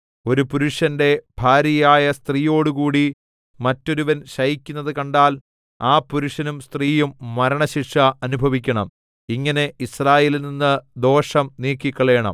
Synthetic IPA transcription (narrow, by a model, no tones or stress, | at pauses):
o̞ɾupuɾuʂɐnde̞bʱaːɾjɐjaːjɐst̪riːjo̞ːɽukuːɽi | mɐtːo̞ɾuʋɐnɕɐjikʲːunːɐðɨkɐɳɖaːl | aːpuɾuʂɐnumst̪riːjumːɐɾɐɳɐɕiʈʂɐɐnubʱɐʋikʲːɐɳɐm | iŋːɐne̞israːjeːlilninːɨd̪o̞ːʂɐmniːkːikːɐɭe̞ːɳɐ̰m